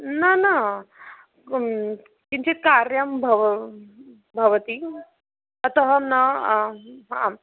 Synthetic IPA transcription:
nana | kint͡ɕit̪̚kaɾjɐmbʱəʋ | bʱɐʋt̪i | ɐt̪əɦəna | ɦã̰

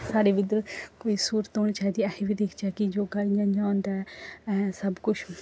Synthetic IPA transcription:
saːɽeːʋɪd̪əɾkoːiːsuːɾət̪oːɳ̃it͡ʃaːid̪iːɛːheʋiːd̪eːkʰd͡ʒɛːkid͡ʒoːɡaːijãːd͡ʒãːʊnd̪aɛːɛːsəbkʊt͡ʃʰ

